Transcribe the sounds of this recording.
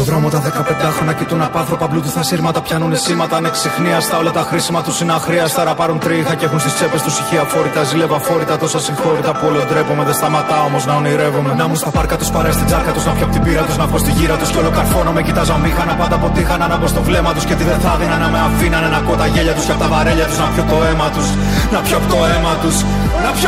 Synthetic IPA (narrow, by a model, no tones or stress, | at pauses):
oðɾo̞mot̪ɐðekɐpe̞nd̪ɐxɾo̞nɐcit̪unɐpɐnθɾo̞pɐplut̪isθɐsiɾmɐt̪ɐpçɐnunisimɐt̪ɐneksixniɐst̪ɐo̞lɐt̪ɐxɾisimɐt̪usinɐxɾiɐst̪ɐɾɐpɐɾunt̪ɾiixɐceexunst̪ist͡se̞pe̞st̪usiçiɐfo̞ɾit̪ɐzile̞vɐfo̞ɾit̪ɐt̪o̞sɐsiŋxo̞ɾit̪ɐpuolod̪ɾe̞pumeðest̪ɐmɐt̪ɐo̞mo̞znɐoniɾe̞vumenɐmust̪ɐpɐɾkɐt̪uspɐɾɐst̪id͡zɐɾkɐt̪uznɐpçopot̪ibiɾɐt̪uznɐpost̪iʝiɾɐt̪usceo̞lo̞kɐɾfo̞nome̞cit̪ɐzɐmixɐnɐpɐnd̪ɐpo̞t̪iixɐnɐnɐpost̪o̞vle̞mɐt̪uscet̪iðenθɐðinɐnɐmeɐfinɐnɐnɐkot̪ɐʝeʎɐt̪usceɐpot̪ɐvɐɾeʎɐt̪uznɐpçot̪o̞e̞mɐt̪us | nɐpçopot̪oemɐt̪us | nɐpç